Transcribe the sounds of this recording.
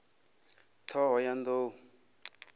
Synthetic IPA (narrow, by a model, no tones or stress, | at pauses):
t̪ʰɔɦɔjand̪o